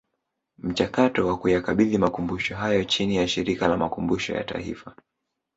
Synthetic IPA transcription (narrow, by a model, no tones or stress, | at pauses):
m̩t͡ʃakatɔwakujakaɓiðimakumbuʃɔɦajɔt͡ʃinijaʃiɾikalamakumbuʃɔ̰ja̰ta̰ḭfa